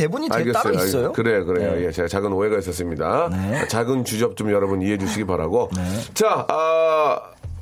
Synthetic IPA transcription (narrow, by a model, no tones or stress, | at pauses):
ebuɲiaɭɡes͈ʌaɡsjokɯɾe̞jokɯɾe̞jojet͡ɕeɡat͡ɕaɡɯnoɦe̞ɡais͈ʌs͈ɯmɲidaʌt͡ɕaɡɯnt͡ɕud͡ʑʌp̚t͡ɕ͈omjʌɾʌbɯniɦe̞d͡ʑuɕʰiɡepaɾaɡot͡ɕaʌ